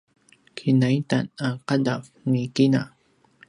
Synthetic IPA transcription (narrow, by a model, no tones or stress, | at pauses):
kʰinajt̪anaqadaf | nikɪna